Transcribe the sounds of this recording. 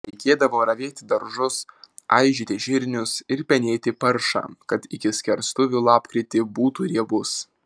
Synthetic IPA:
ɛɪkʲeːd̪ɐʋoːɾɐʋʲeːt̪ʲɪd̪ɐɾʒʊsɐ̰ɪʒʲiːt̪ʲɪʒʲɪɾʲnʲʊsɪɾpʲɛnʲeːt̪ʲɪpɐɾʃɑ̰ːkɐt̪ɪkʲɪsʲkʲɛɾst̪ʊʋʲuːlˠɑːpkɾʲɪt̪ʲɪbuːt̪uːɾʲiɛbʊs

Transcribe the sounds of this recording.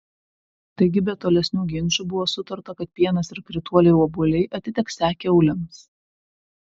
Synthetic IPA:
t̪ɐɪɡʲɪbʲɛt̪ːoːlʲɛsʲnʲuːɡʲɪnʲˑt͡ʃuːbʊʋoːsʊt̪ɐɾt̪ɐkɐt̪̚pʲiɛnɐsɪɾkɾʲɪt̪uɔlʲɛɪɔbʊlʲɛɪʔɐt̪ʲɪt̪ʲɛksʲæːkʲeɔʊlʲɪms

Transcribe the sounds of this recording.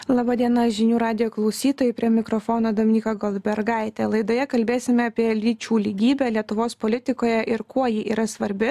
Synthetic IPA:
lˠɑːbɑːd̪ʲiɛnɐʒʲɪnʲuːɾɑːd̪ʲɪjoːklˠɒʊsʲiːt̪oːjɛɪpʲɾʲiɛmʲɪkɾɔfoːnoːd̪oːmʲɪnʲiːkɐɡɔlʲˠbʲɛɾɡɑɪt̪ʲɛlˠɐɪd̪oːjɛkɐlʲbʲeːsʲɪmʲɛɑpʲiɛlʲiːt͡ʃʲuːlʲiːɡʲiːbʲɛlʲiɛt̪ʊʋoːspolʲɪt̪ʲɪkoːjɛʔɪɾkuɔjɪʔiːɾɐsʋɐɾʲbʲɪ

